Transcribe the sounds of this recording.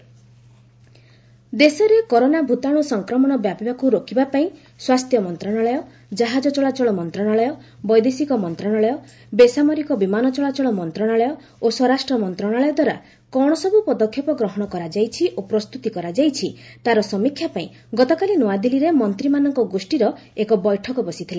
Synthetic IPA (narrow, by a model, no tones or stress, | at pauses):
d̪esɔɾekɔɾonabʱut̪aɽ̃usɔŋkɾɔmɔɽ̃ɔbjabibakuɾokʰibapaĩ | swast̪ʰjɔmɔnt̪ɾɔɽ̃aɭɔjɔ | d͡ʒaɦad͡ʒɔt͡ʃɔɭat͡ʃɔɭɔmɔnt̪ɾɔɽ̃aɭɔjɔbɔjd̪esikɔmɔnt̪ɾɔɽ̃aɭɔjɔ | besamɔɾikɔbimanɔt͡ʃɔɭat͡ʃɔɭɔmɔnt̪ɾɔɽ̃aɭɔjɔ | osɔɾasʈɾɔmɔnt̪ɾɔɽ̃aɭɔjɔd̪waɾa̰ | kɔɽ̃ɔsɔbupɔd̪ɔkʰːjɔpɔɡɾɔɦɔɽ̃ɔkɔɾad͡ʒajt͡ʃʰiʔopɾɔst̪ut̪ikɔɾad͡ʒajt͡ʃʰit̪aɾɔsɔmikʰːjapaĩ | ɡɔt̪ɔkalinɔad̪iliɾemɔnt̪ɾimanɔŋkɔɡosʈiɾɔ | ekɔbɔjʈʰɔkɔbɔsit̪ʰila